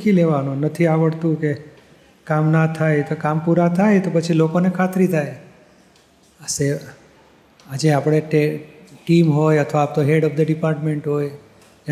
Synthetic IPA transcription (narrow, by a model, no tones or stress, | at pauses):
kʰileʋanũnət̪ʰiaʋəɽt̪ũke | kamnat̪ʰajt̪okampuɾat̪ʰajt̪opət͡ʃʰilokonekʰat̪ɾit̪ʰaj | əse | ad͡ʒeapɽ̃eʈeʈimɦojət̪ʰəʋaːp̚t̪oɦeɽɔp̚d̪əɖipaɾʈmeɳʈɦoj